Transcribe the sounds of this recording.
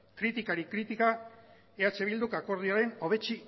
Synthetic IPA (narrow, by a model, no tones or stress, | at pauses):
kɾit̪ikaɾikɾit̪ika | eat͡ʃe̞βild̪ukako̞ɾð̞iaɾe̞no̞β̞e̞t͡ʃi